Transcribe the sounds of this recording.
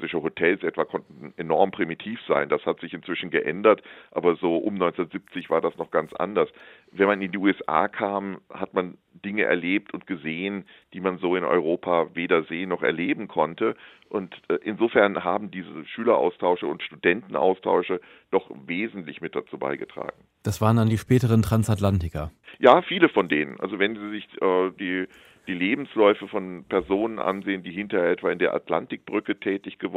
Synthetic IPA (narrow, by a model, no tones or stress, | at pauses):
sɪʃəɦotʰɛlsʔɛtv̥akʰɔntn̩ʔenɔɐmpʁ̥imitʰiːfz̥a̰ɪnd̥ashatz̥ɪçɪntt͡sv̥ɪʃn̩ɡəʔɛ̰ndɐtʔa̰ːbɐzoːʔʊ̰mnɔʏnt͡sʊnɐtz̥ɪp̚t͡sɪçv̥aːɐdasnɔχɡ̥ant͡sʔa̰ndɐs | vɛnmanɪndiːʔuːɛsʔa̰ːkʰaːmhatman | d̥ɪŋəʔɛ̰ɐleːp̚tʊnt̚ɡ̥əzeːən | d̥iːmanzoːɪnʔɔ̰ʏʁ̞oːpʰaːveːdɐzeːənːɔχɛ̰ɐleːbm̩kʰɔntə | ʔʊntːʔɪnzoːfɛɐnɦaːbm̩diːzəʃyːlɐʔa̰ʊstʰaʊʃəʊ̰ntʃtudɛntn̩ʔa̰ʊstʰa̰ʊʃə | d̥ɔχveːzn̩tlɪçmɪt̚d̥at͡suːba̰ɪɡətʁ̥a̰ːɡŋ̩ | d̥asv̥aːʁəndandiːʃpɛːtəʁ̞əntʁ̥ansatlantɪkɐjaːfiːləfɔndeːnə̰nʔa̰lzovɛnziːzɪçʔɛːdiː | d̥iːleːbm̩slɔʏfəfɔnpʰɛɐzoːnənʔa̰nzeːəndiːhɪntɐʔɛtv̥aɪndeːɐʔa̰tla̰ntɪk̚b̥ʁʏkətʰɛːtɪçɡ̥əv